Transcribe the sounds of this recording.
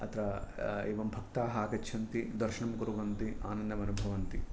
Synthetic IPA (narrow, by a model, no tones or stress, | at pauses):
ɐ̰t̪ɾɐeːʋɐmbʱɐkt̪aːɦaːkɐt͡ʃːʰɐnt̪id̪ɐɾʃɐɳɐmkuɾuʋɐnt̪ia̰ːnɐnd̪ɐmɐnubʱɐʋɐnt̪i